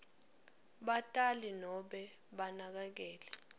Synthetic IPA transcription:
ɓatʼalinɔɓɛ | ɓanak̬ak̬ɛːlɛ

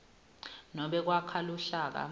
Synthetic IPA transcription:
nɔɓɛk̬wakʰaluɬaːk̬a̰

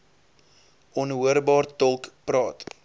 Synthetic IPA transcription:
ʔɔnɦuəɾbɑːrtɔlˠkprɑːt

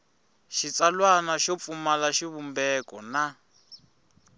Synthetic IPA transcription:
ʃit͡salwanaʃɔp̪fumalaʃiβumbɛkɔna

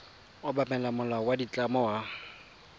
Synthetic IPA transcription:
ʊbamɛlamʊlawadit͡ɬʼamɔwa

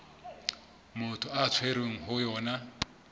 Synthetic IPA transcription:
mʊtʰʊat͡sʰweɾeŋ̩ɦʊjɔːna

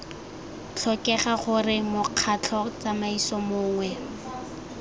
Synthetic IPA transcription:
t͡ɬʰɔkɛχaχʊrɪmʊq͡χʰat͡ɬʰɔt͡samaisɔmʊːŋwɛ

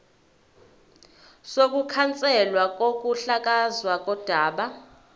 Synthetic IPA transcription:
sok̬ʼukʰant͡sʼɛlwak̬ʼok̬ʼuɬak̬ʼazwak̬ʼɔd̥ʱaːɓa

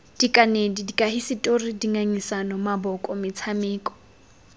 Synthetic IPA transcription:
d̥ikʼanedidikʼaɦisɪtʼoridiŋaɲisanɔmabɔkʼɔmɪt͡sʰamɪːkʼɔ̥

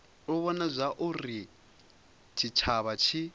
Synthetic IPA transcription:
ɔβɔnazʷaʔuri | t͡ʃʰit͡ʃʰaβat͡ʃʰi

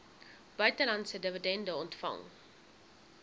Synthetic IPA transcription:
b̥œɥtəlɐntsədəvədɛndəɔntfɐ̰ŋ

